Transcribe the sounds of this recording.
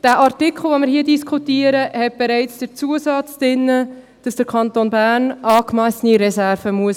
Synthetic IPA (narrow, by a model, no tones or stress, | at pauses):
d̥æːʔɑrtikʰχl̩ˠʋomɪɾhiːədiskʰutiːəɾəhɛt̚b̥ɛɾɛɪt͡sd̥əɾt͡suəsɑt͡sd̥ɪnːə | d̥ɑsd̥əɾkʰɑntoːnbæːrnʔɑːkmæsəniɾɛsæɾvəmuəs